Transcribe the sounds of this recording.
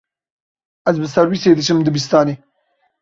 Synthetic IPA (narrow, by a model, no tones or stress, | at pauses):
ɐzbəsɐɾwiseːd̪ət͡ʃəmd̪əbis̬t̪ɑːne